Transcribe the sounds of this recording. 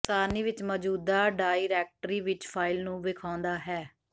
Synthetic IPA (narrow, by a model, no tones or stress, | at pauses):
saːniːʋɪt͡ʃmɔːd͡ʒuːd̪aːɖaːiɾɛːk̚ʈɾiːʋɪt͡ʃpʰaːɪlnũːʋɪkʰaːnd̪aːɦɛː